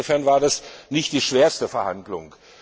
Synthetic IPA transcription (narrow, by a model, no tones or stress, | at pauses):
ofɛɐnvaːɐdasnɪçt̚d̥iːʃv̥eːɐstəfɛɐhandlʊ̰ŋ